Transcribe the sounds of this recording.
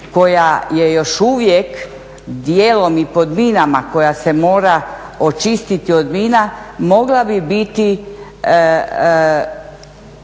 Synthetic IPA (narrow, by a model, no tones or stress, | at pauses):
ko̞jaje̞jo̞ʃuʋjek | d̪jelo̞mipo̞d̪minamako̞jase̞mo̞ːɾa | ot͡ʃist̪it̪iod̪minamo̞ɡlabibit̪i